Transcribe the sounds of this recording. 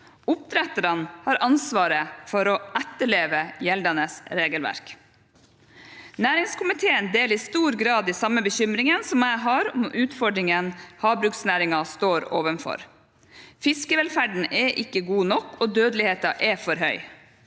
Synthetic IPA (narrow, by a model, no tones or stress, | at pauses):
ʊp̚t̪ʰɾɛt̪əɾɑnhɑːɾʔɑnsʋɑːɾəfɔɾɔʔæt̪ːəɭeːʋəjɛld̪ɑnəsɾeːɡəlʋæ̰ɾk | næːɾɪŋskʰʊmɪt̪ʰeːənd̪eːliːst̪uːɾɡɾɑːd̪iːsɑmːəbəçʏmɾɪŋənsɔmæɪɦɑɾɔmʔʉːt̪fɔɖɾɪŋənhɑːbɾʉk̚snæːɾɪŋɑst̪oːɾoːʋənfɔ̰ɾ | fɪskəʋɛlfæɖɳ̩ʔɛʔɪkːəɡuːnɔkːoːd̪øːd̪lɪheːt̪ɑʔɛfɔɾɦœʏ